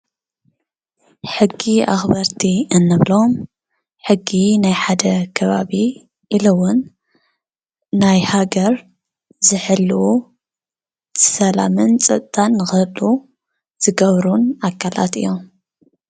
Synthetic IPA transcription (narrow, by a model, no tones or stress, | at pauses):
ħɨɡːiʔa̰xbɐɾt̪ʰiɨnːɐβlom | ħɨɡːinajħad̪ɐkʰɐβaβi | ʔilɐwʊn | ajhaɡɐɾ | zɨħɨlːɨwu | sɐlamɨnt͡sʼɐt̪̚ʼt̪ʼanːɨxɨlu | z̥ɨɡɐβɾunakʰala̰t̪ɨ̰jːo̞m